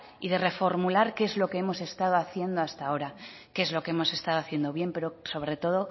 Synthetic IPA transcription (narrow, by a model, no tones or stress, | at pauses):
iðe̞re̞fo̞ɾmulaɾkeezlo̞keemo̞se̞st̪að̞oaθje̞nd̪oast̪ao̞ɾa | keezlo̞kee̞mo̞se̞st̪aðoaθje̞nd̪o̞βje̞mpe̞ɾo̞so̞β̞ɾe̞t̪o̞ð̞o̞